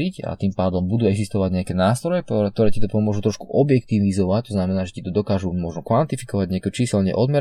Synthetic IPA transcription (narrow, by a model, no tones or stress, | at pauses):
ica̰t̪iːmpaːd̪ɔmbud̪uːɛɡzist̪ɔʋaɟɲɛakɛːnaːst̪ɾɔjɛt̪ɔɾɛːcit̪ɔpɔmʊɔʒut̪ɾɔʃkuʔɔbjɛk̚t̪iʋizɔʋact̪ɔznamɛnaːʒɛcit̪ɔd̪ɔkaːʒumɔʒnɔkʋant̪ifikɔʋaɟɲɛakɛt͡ʃiːsɛlɲɛ̰ʔɔd̪mɛ